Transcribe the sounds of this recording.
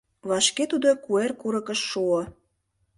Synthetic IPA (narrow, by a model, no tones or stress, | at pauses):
βɑʃket̪ud̪okuerkuɾɤ̆kə̆ʃːuŏ